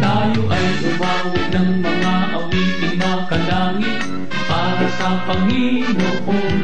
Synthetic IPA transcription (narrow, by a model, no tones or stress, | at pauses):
t̪aːjoʔɐjpʊwaːʊnɐŋmɐŋaʔɐwiʔɪmakɐlaːŋɪt̪̚ | paːɾɐsɐpɐŋɦimʊʔo